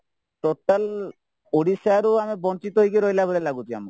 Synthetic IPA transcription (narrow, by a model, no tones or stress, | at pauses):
ʈoʈal | oɽisaɾoamibɔnt͡ʃit̪oɦojkeɾojlabolelaɡut̪ia̰mu